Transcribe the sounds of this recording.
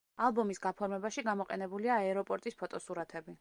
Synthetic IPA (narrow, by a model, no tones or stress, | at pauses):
alˠbɔmisɡapʰɔɾmɛbaʃiɡamɔqʼɛnɛbuliaɛɾɔpʼɔɾt̪ʼispʰɔt̪ʼɔsuɾat̪ʰɛbi